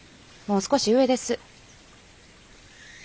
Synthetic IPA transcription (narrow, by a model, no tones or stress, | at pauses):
moːsɨ̥ko̞ɕiɯ̟e̞d̪e̞sɨ